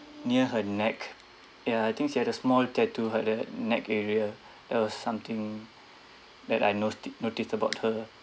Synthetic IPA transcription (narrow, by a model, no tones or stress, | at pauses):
niəɦənɛk | jaajt̪ʰĩŋkʃihɛdəsmɔltɛtʰuɦədənɛkɛɹiə | d̥ɛt̚wɔsːãmt̪ĩŋ | dɛtajnonotistəbaʊt̚hə